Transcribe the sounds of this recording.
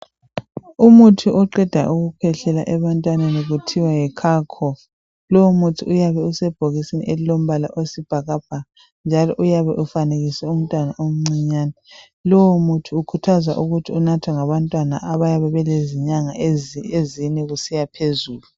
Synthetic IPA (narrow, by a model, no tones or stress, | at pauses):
umutʰuʔɔǃɛd̥ʱa̰ʔuɣupʰɛɬɛla̰ʔɛβantʼwaneniɣutʰiwajɛkʰakʰɔf | lɔwumutʰiujaβɛusɛb̥ʱoɣisinḭʔelilom̩βalaʔosib̥ʱaɣab̥ʱaɣa | nd͡ʒʱalɔʔujaβɛʔufaneɣisɛum̩tʼwanaʔom̩ŋ͡ǀiɲaːnɛ | lɔwumutʰuukʰutʰaza̰ʔuɣutʰiunatʰwaŋaβantʼwana̰ʔaβajaβɛβɛleziɲaŋa̰eeziɲɛɣusijapʰezuːlu